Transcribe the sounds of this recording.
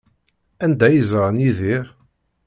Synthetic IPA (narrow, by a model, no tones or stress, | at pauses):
ænd̪æjəzˤɾˤɑnjiðiɾ